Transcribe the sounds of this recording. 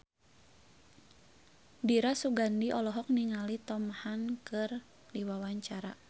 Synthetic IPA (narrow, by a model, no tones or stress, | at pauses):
diɾasuɡandiʔɔlɔɦɔk̚niŋalit̪ɔmhankɨr | diwawaɲt͡ʃaɾa